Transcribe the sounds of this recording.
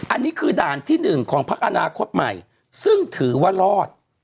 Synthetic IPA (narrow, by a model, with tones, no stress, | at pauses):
ʔa˧nːiː˦˥kʰɯː˧daː˨˩nt̪ʰiː˥˩nɯ˨˩ŋkʰɔː˩˦ŋpʰa˦˥k̚ʔa˧naː˧kʰo˦˥t̪̚ma̰˨˩j | sɯ˥˩ŋt̪ʰɯː˩˦waː˥˩ɾɔː˥˩t̪̚